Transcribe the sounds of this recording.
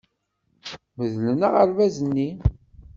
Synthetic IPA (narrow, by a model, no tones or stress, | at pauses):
məðlənəʁəɾvæzənːi